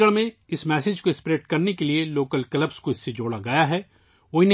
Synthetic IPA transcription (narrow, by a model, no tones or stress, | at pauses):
əɭmẽɪsmɛːsed͡ʒkoɪspɾeːʈkɐɾnekelieloːkəlkɐləbskoɪsːed͡ʒoːɽaɡɐjaɦɛː | oːine